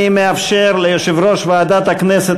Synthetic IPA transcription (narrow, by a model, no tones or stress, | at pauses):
imeafʃeɾlejoʃivɾoʃvead̪at̪aknɛset